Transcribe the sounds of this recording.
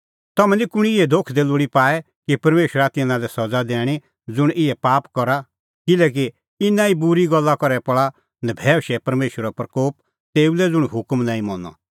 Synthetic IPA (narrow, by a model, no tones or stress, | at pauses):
t̪ɐmɛ̃likʊɽ̃iɪɛd̪ʱokʰd̪eːlʊɽipaːɛ | kipɐɾmeːʃwəɾat̪ɪnãlɛsɐd͡zad̪ɛ̃ːi | d͡zʊɽ̃ʔɪɛpaːpkɔɾa | kɪlɛːk̬i | ɪnaibʊɾiɡɔlːakɔɾɛpɔɭa | nɛbʱɛːʃɛpɐɾmeːʃwəɾɔpɾɐkoːp | t̪eːulɛd͡zʊɽ̃ɦʊkmnãːĩmɔnɔ̰